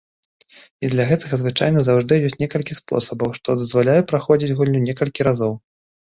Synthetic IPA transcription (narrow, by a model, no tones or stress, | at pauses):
id̪lʲɐɣɛt̪ɐɣɐzvɨt͡ʂa̰jn̪ɐzawʐd̪ɨjɔsʲtʲnʲɛkɐlʲkʲispɔ̰sɐbɐwʂt̪ɔd̪ɐzvalʲajɛpɾaxɔd͡zʲid͡zʲɣulʲnʲunʲɛkɐlʲkʲiɾazɔw